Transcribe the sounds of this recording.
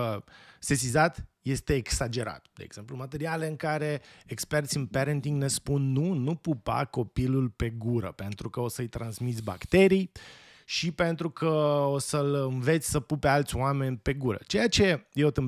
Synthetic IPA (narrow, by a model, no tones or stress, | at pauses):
se̞s̬izat̪je̞st̪e̞ːksad͡ʒe̞ɾa̰t̪d̪̥e̞̰ḛɡ̥z̥e̞mplumat̪e̞ɾiale̞ɨŋkaɾe̞ekspert̪sʲɨnpeɾənt̪iŋɡne̞spunːunupupa̰ko̞pilulpe̞ɡuɾə̰pe̞nt̪ɾukəosəɨjt̪ɾʔansmit̪sʲba̰kt̪e̞ɾij | ʃipe̞nt̪ɾukʰəo̞səlɨnve̞t̪sʲsəpupe̞alt̪sʲwame̞nʲpe̞ɡuɾə̰t͡ʃe̞jat͡ʃe̞jewt̪ɨ